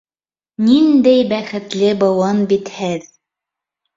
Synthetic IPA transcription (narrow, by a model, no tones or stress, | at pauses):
nind̪æjbæχɘ̆t̪lɘbɤ̆wɤnbit̪hɘð